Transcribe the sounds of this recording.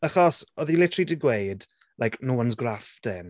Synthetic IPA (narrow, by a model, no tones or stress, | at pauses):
aχɔsɔðilɪtʰridɪɡwejd | lʔajkʰnuwanzɡrafdɛn